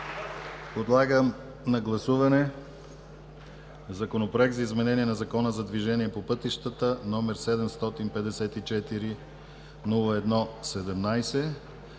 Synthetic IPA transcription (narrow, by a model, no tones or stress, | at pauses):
od̪lˠaɡəm | nɐɡlˠɐsuvɐnɛ | zɐkonopɾoɛk̚t̪zɐizmɛnɛniɛnɐzɐkɔnəzɐd̪viʒɛniɛpopɤt̪iʃt̪ət̪ənɔmɛɾsɛd̪ɛmst̪ɔt̪inpɛd̪ɛsɛt̪it͡ʃɛt̪iɾi | nulˠəɛd̪nɔsɛd̪ɛmnajsɛ